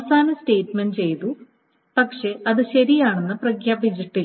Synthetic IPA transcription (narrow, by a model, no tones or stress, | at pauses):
saːnɐsʈe̞ːʈmenɖt͡ɕe̞jt̪u | pɐkʂe̞ɐðɨɕɐɾijaːɳenːɨprɐkjaːbit͡ɕiʈːi